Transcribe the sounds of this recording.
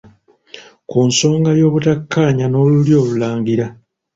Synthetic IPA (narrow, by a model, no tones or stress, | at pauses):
kunso̞ːŋɡajo̞ːβutakːaːɲano̞ːluljo̞ːβulaːŋɡiɾa